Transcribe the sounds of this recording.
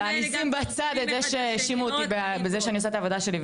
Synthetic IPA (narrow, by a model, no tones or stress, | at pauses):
anisimbat͡sad̪et̪zeʃeʃimut̪ibebezeʃeanioset̪avod̪aʃeli